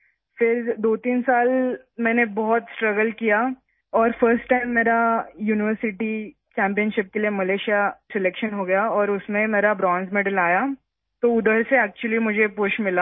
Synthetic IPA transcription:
fɪɾd̪oːt̪iːnsaːl | mɛ̃ːnebɔɦɔt̪sʈɾɐɡəlkija | ɔːɾfəɾsʈʈãɪmːeːɾajuːnɪʋəɾsɪʈi | t͡ʃɛ̃ːmpijənʃɪp̚keliemɐleːʃijasɛlekʃənɦoɡɐjaɔːɾʊsmẽmeːɾabɾɔ̃ːnsmeːɖəlaːja | t̪oʊd̪əɾseɛːk̚t͡ʃʊəlimʊd͡ʒʱepʊʃmɪlaː

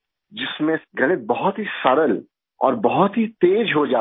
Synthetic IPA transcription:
d͡ʒɪsmẽɡʱɐɽ̃ebɐɦʊt̪ɦisɐɾəl | ɔ̰ːɾbɐɦʊt̪ɦit̪eːd͡ʒɦod͡ʒaː

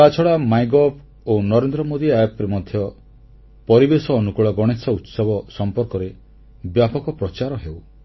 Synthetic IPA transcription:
kat͡ʃʰɔɭamajɡɔpʰ | onɔɾend̪ɾɔmod̪iajɔpɾimɔd̪ʱjɔ | pɔɾibesɔːnukuɭɔɡɔɽ̃esɔut̪sɔbɔsɔmpɔɾkɔɾe | bjapɔkɔpɾɔt͡ʃaɾɔɦew

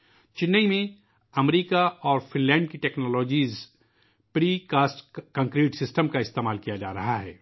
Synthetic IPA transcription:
t͡ʃɪnːəimẽ | ɐmɾiːkaɔːɾfɪ̃nlɛ̃ːɳɖ̚kiʈɛːknɔːlɔːd͡ʒiːz | pɾiːkaːsʈkɐ̃ːŋkɾiːʈsɪsʈəmkaɪst̪eːmaːlkijad͡ʒa̰ːɾɐɦaɦɛ̰ː

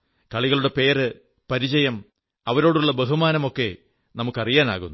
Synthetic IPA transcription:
kɐɭiɣɐɭuɽe̞pe̞ːrɨ | pɐɾit͡ɕɐjɐm | ɐʋɐɾo̞ːɽuɭːɐbe̞ɦumaːnɐmo̞kːe̞ | nɐmukːɐrijaːna̰ːɣunːu

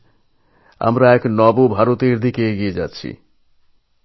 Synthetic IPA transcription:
a̰mɾaɛknɔbobʱaɾot̪eɾd̪ikeeɡied͡ʑa̰tːɕʰḭ

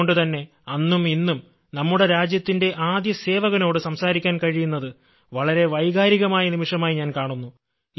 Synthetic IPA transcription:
oɳɖɨt̪ɐnːe̞ | ɐnːuminːum | nɐmːuɽe̞ɾaːd͡ʑjɐt̪ːinde̞ʔaːd̪jɐse̞ːʋɐɣɐno̞ːɽɨsɐmsaːɾikʲːaːnkɐɻijunːɐðɨ | ʋɐɭɐɾe̞ʋɐjɣaːɾiɣɐmaːjɐnimiʂɐmaːjiɲaːnkaːɳunːu

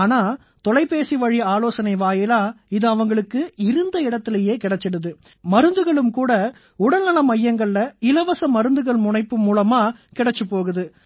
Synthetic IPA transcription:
aːnaː | t̪ɔlɐɪpːeːsiʋɐɻiaːloːsɐnɐɪʋaːjɪlaːɪðɯɐʋɐŋɡɐɭɯkːɯɪɾɯnd̪ɐɪɽɐt̪ːɪleːjeːkɪɽɐt͡ʃːɛɽɯðɯ | mɐɾɯnd̪ɯɣɐɭɯmkuːɽɐ | ʊɽɐnnɐlɐmɐjːɐŋɡɐɭːɐɪlɐʋɐsɐmɐɾɯnd̪ɯɣɐɭmʊɳɐɪpːɯmuːlɐmaːkɪɽɐt͡ʃːɯpːoːɣɯðɯ

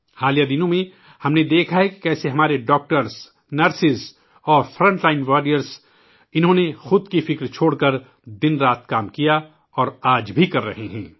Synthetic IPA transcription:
haːlijad̪ɪnõmẽ | hɐmned̪eːkʰaɦɛki̥kɛːseɦɐmaːɾeɖɔːk̚ʈəɾs | nɐɾsɪs | ɔːɾfɾə̃ɳʈlaːɪnʋaːɾijəɾz | ɪnɦõːnexʊd̪kifɪkɾt͡ʃʰoːɽkɐɾ | d̪ɪnɾaːt̪̚ʰkaːmkija | ɔːɾaːd͡ʒbʱikɐɾːɐ̰ɦeɦɛ̃ː

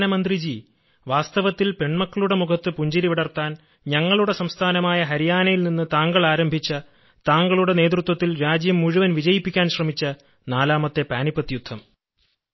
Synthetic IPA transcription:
nɐmɐnd̪rid͡ʑi | ʋaːst̪ɐʋɐt̪ːilpe̞ɳmɐkːɐɭuɽe̞mukʰɐt̪ːɨpuɲd͡ʑɐɾiʋeɽɐrt̪ːaːn | ɲɐŋːɐɭuɽe̞sɐmst̪ʰaːnɐmaːjɐɦɐɾijaːnɐjilninːɨt̪aːŋɡɐɭaːɾɐmbʱit͡ɕːɐ | t̪aːŋɡɐɭuɽe̞ne̞ːt̪̬rut̪wɐt̪ːilɾaːd͡ʑjɐmːuɻuʋɐnʋid͡ʑɐjipːikʲːaːnɕrɐmit͡ɕːɐ | naːlaːmɐt̪ːe̞paːnipːɐt̪ːijud̪ʱːɐm

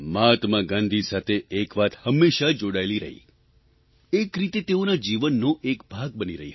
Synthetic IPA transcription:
mat̪mãɡãnd̪ʱisat̪ʰeːkʋat̪həmːeʃad͡ʒoɽajliɾə̰ɦḭ | ekɾit̪et̪eonad͡ʒiʋənːoʔekbʱaɡ̚bəniɾəɦi

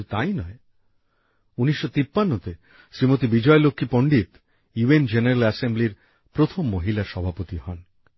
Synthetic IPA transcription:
t̪ajnɔe | unisːɔt̪ipːanːɔt̪e | sɾimot̪ibid͡ʒɔelokʰːipɔɳɖit̪ | juend͡ʒeneɾalasembliɾ | pɾot̪ʰomːoɦilaɾsɔbʱapot̪ihɔn

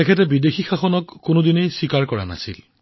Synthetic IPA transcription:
tɛkʰɛtɛbidexʰixaxɔnɔkːʊnʊdinejsikaɹkɔɹa̰na̰sḭl

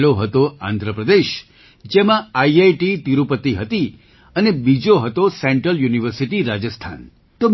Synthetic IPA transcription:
loɦət̪oã̰nd̪ʱɾəpɾəd̪eʃ | d͡ʒemãaiajʈit̪iɾupət̪iɦət̪i | ənebid͡ʒoɦət̪osɛɳʈɾəljuniʋəɾsiʈiɾad͡ʒəst̪ʰa̰n | t̪o

